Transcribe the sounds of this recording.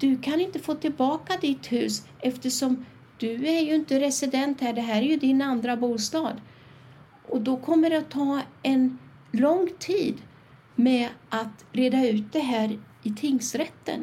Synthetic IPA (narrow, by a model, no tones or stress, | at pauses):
d̪̥ɵkʰanɪnt̪əfoːt̪ʰɪlbɑːkad̪ɪt̪hʉ̟ːsʔɛft̪əʂɔm | d̪̥ɵæɾjɵɪnt̪əɾɛsɪd̪ɛnt̪hæːɖɛɦæːɾæɾjɵd̪ɪnand̪ɾabuːst̪ɑːd̪ | ʔɔd̪ɔkʰɔmːəɾɛat̪ʰːɑːɛn | lɔŋt̪ʰiːd̪ | mɛʔat̪ɾeːd̪aʉ̟ːt̪̚d̪ɛɦæːɾɪt̪ʰɪŋsɾɛt̪ːə̰n